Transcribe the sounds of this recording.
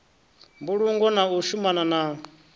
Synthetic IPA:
mbuɺuŋɡɔnauʃumanana

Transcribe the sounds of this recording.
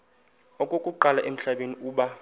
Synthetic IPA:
ɔkʼokʼuǃalaʔem̩ɬaɓeniuːɓa

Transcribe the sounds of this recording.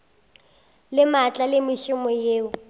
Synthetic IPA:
lɪmat͡ɬʼalɪmɪʃʊmɔjeːʊ

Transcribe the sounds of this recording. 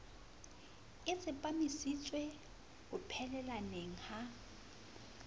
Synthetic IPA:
ɪt͡sʼɪpʼamisit͡sʼwe | hʊpʰɛlɛlaneŋ̩ha

